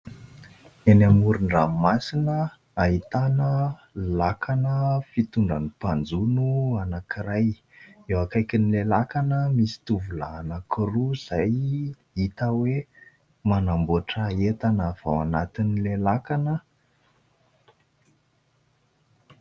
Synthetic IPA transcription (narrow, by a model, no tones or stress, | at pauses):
enamuɾuɳɖ͡ʐammasinə | aɦit̪anəlakʰanəfit̪uɳɖ͡ʐanipand͡zunuanakiɾaj | ewakajkʲinilelakanəmisi̥t̪uvula̰ːnakiruz̥aj | it̪awe | manambuaʈ͡ʂəet̪anav̥awanat̪inilelakanə